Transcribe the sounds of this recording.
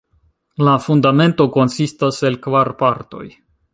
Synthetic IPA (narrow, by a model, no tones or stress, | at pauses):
lafundame̞nto̞ko̞nsistase̞lkvaɾpaɾto̞̰j